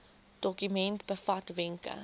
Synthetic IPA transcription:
d̥ɔkymɛntbəfatvɛŋkə̰

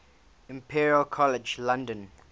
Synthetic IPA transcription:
ɪ̃mpʰiɹiəlkʰɔlɛd͡ʒlãndə̃n

